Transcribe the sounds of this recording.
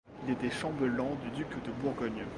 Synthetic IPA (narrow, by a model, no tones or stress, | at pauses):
ilet̪ɛʃɑ̃bəlɑ̃d̪yd̪ykd̪əbuʁɡɔɲ